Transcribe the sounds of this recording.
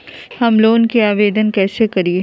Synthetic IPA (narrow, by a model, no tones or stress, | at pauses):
hɐmloːnkiaːʋeːd̪ənkɛːsekɐɾie